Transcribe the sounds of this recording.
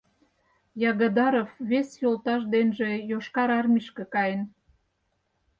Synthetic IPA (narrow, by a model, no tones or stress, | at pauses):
jɑɣɑd̪ɑɾofβesjolˠt̪ɑʃ̬d̪enʒe̽joʃkɑɾɑrmiʃkekɑjən